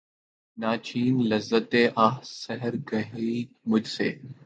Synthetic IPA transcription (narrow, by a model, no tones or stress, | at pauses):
naːt͡ʃʰiːnlɐzːət̪eːʔaːɦsɐɦəɾɡɐɦi | mʊd͡ʒseː